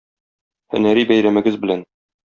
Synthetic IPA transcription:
hɵ̰̆næɾibæjɾæmɘ̆ɡɘzbɘ̆læn

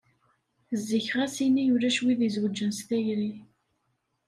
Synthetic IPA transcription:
zːiçʁæsinijulæʃwiðizwəd͡ʒːənst̪æjɾi

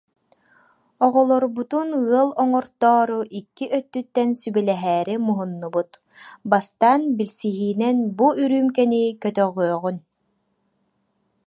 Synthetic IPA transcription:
ɔʁɔlˠɔɾbut̪unɯɐlˠɔŋɔɾt̪ɔːɾuʔikːiʔœt̪ːyt̪ːɛnsybɛlɛɦɛːɾimuɦunːubut̪ | bast̪aːnbilsiɦiːnɛnbuʔyɾyːmkɛnikœt̪œʁyœʁyn

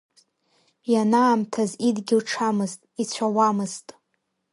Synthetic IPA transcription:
janaːmtʰazidɡʲɪlʈ͡ʂʰamɨztʼit͡sʷʰawamɨztʼ

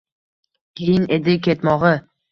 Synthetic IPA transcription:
kʲʰejɪned̪ɪkʲʰet̪mɒʁɨ

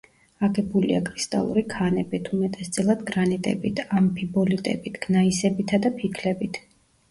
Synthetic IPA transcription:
aɡɛbulḭa̰kʼɾist̪ʼa̰lˠṵɾikʰanɛbit̪ʰumɛt̪ʼɛst̪sʼilˠad̪ɡɾanit̪ʼɛ̰bit̪ʰampʰibɔlit̪ʼɛ̰bit̪ʰɡ̥naisɛbit̪ʰad̪apʰikʰlɛbit̪ʰ

